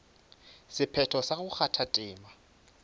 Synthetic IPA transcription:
sɪpʰɛtʰɔsaɣʊk͡xʰatʰatʼɪːma

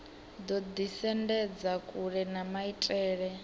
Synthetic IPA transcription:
d̪ɔd̪isɛndɛd͡zakʼuɺɛnamaitʼɛːɺɛ

